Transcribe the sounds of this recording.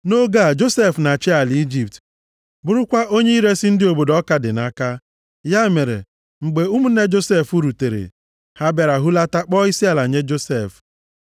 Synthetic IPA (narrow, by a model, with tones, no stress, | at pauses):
no˦ɡa˦˨d͡ʒo˦se˦˨fna˨t͡ʃɪ˦a˨li˦d͡ʒi˦p̚t | bʊ˦ɾʊ˦kʷa˦ʔo˦ɲe˦i˦ɾe˦sɪ˦n̩˦dɪ˦o˨bo˨dɔ˦ka˦dɪ̰˨na˦ka˦ | ja˦me˨ɾḛ˨ | ŋ͡m̩˨ɡ͡be˨u˦mu˦ne˦d͡ʒo˦se˦fu˦ɾu˨te˨ɾḛ˨ | ha˦be˨ɾa˨ɦʊ˦la˦ta˦k͡pɔ˦i˦si˦a˦la˨ɲe˦d͡ʒo˦se˦˨f